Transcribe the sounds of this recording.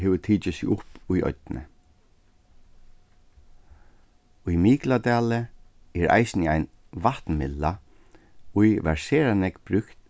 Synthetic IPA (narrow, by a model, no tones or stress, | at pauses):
ɦeːʋt̪ʰiːt͡ʃɪsɪʔʊpujɔ̰t̪nə̰ | ʊjmiːklad̪æːlə | ɛɾʔa̰jsnɪajn | ʋaht̪nmɪlːa | ujʋæɹseːɾanɛkbɾʉkt̪